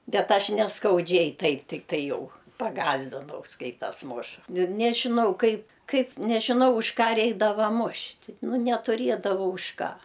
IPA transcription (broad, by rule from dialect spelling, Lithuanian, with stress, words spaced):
ˈbʲɛt ˈɐʃ nʲɛskɐʊˈd͡ʒʲɛɪ ˈtɐɪp tʲɪkˈtɐɪ ˈjɛʊ pɐˈɡɑːzʲdʲɪnɐʊ ˈskɐɪtɐs ˈmʊʃ nʲɪ nʲɛʒʲɪˈnɐʊ ˈkɐɪ ˈkɐɪp nʲɛʒʲɪˈnɐʊ ʊʃ ˈkɑː ˈrʲɛɪɡdɐʋɐ ˈmʊʃʲtʲ nʊ nʲɛtʊˈrʲiɛdɐʋɐʊ ʊʃ ˈkɑː